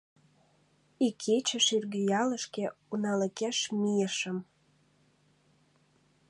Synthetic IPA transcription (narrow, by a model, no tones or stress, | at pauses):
ikʰet͡ɕəʃyrɣyjɑləʃkeunɑləkeʃmijəʃəm